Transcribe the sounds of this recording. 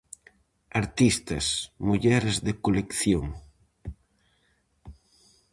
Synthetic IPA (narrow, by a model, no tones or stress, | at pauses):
aɾt̪ist̪ɐsmuʎɛɾezðekolekθjoŋ